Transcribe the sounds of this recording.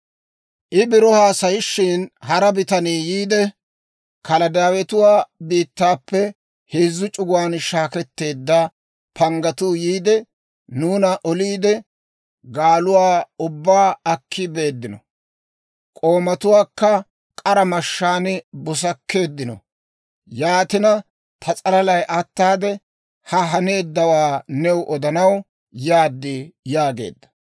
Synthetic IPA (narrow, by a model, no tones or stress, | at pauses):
ʔɪbɪɾɔhaːsɐjɪʃɪnhɐɾɐbɪt̪ɐniːjiːd̪ɛ | kɐlɐd̪aːwɛt̪ʊwaːbiːt̪ːaːpːɛ | heːzːʊt͡ʃʼʊɡʊwaːnʃaːkɛt̪ːe̞ːd̪ːa | pɐŋɡɐt̪ʊːjiːd̪ɛ | nuːnɐʔɔliːd̪ɛ | ɡaːlʊwaːʊbːaːɐkʰːɪbe̞ːd̪ːɪnɔ̰ | kʼo̞ːmɐt̪ʊwaːkːɐ | kʼɐɾɐmɐʃːaːnbʊs̬ɐkːe̞ːd̪ːɪnɔ̰ | jaːt̪ɪnɐ | t̪ʰɐt͡sʼɐlɐlɐjʔɐt̪ːaːd̪ɛ | hɐɦɐne̞ːd̪ːɐwaːnɛwʔɔd̪ɐnɐw | jaːd̪ːɪjaːɡe̞̰ːd̪ːɐ̥